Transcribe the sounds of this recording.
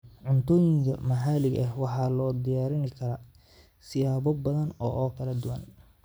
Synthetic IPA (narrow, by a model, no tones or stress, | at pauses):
ʕʊnt̪ɔːjɪŋkʰɐ̰mɐɦaːlɪɡɐhwɑħɑːlɔːd̪ɪjaːɾɪnɪkʰɐɾaː | sɪjaːbɔbɐðɐnɔːʔɔːkʰɐlɐd̪ʊwɐn